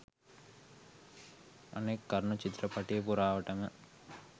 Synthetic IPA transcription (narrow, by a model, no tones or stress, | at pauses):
ɐ̰neːkːɐɾɳut͡ʃit̪ɾɐpɐʈːijepuɾaːʋɐʈːɐmɐ